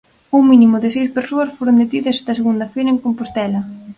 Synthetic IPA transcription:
uŋminimʊðɪsejspeɾsoɐsfoɾʊnd̪et̪iðɐsɛ̥st̪ɐseɣund̪ɐfejɾɐeŋkompost̪ɛlɐ

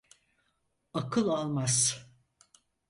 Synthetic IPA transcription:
akʰɯlˠalˠmaz

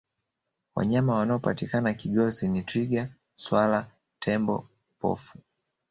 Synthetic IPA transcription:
wa̰ɲamawanaɔpa̰tikanakiɠɔsinitɾiɡa | swala | tʰɛmbɔ̰ | pɔ̰fu

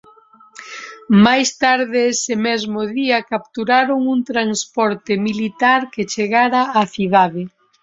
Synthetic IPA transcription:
majst̪aɾðɪesɪmɛzmʊðiɐkap̚t̪uɾaɾoŋunt̪ɾanspɔɾt̪ɪmilit̪aɾket͡ʃeɣaɾaːθiðaðɪ

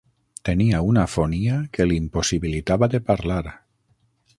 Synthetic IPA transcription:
t̪eniaunafoniakelimposiβilit̪aβaðepaɾlaɾ

